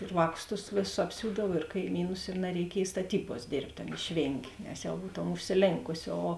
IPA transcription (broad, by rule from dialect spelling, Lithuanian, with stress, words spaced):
ɪr ˈʋɑːˌkʊs tʊs ˈʋʲeːˌsʊs ɐpʲˈsʲuːdɐw ɪr kɐɪˈmʲiːnʊs ɪ nɐrʲɛɪˈkʲiɛj stɐˈtʲiːbuɔs ˈdʲeːrʲpʲtʲ ˈɐn ɪʃʲˈʋʲeːŋʲɡʲeː nʲɛs ˈjɛʊ ˈbuːtoːm ʊʃʲsʲɪˈlʲeːŋkʊsʲɪ oː